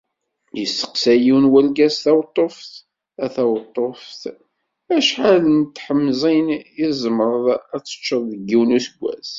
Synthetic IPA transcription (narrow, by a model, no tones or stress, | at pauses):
jəsːə̥qsæjiwnwælɡæsθæwt̪ˤːofθ | æθæwt̪ˤːofθ | æʃħalənt̪ːħəmːzˤinjizˤəmɾˤəðˤæt͡sːə̥t͡ʃːəðˤðəɡːiwnusəɡʷːæ̰z